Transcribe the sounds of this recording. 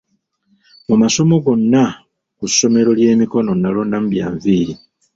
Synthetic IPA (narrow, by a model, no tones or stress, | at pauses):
mumaso̞mo̞ɡo̞nːa | kusːo̞me̞ɾo̞lje̞ːmiko̞no̞nːalo̞ːndam̩ubja̰ːɱviːɾi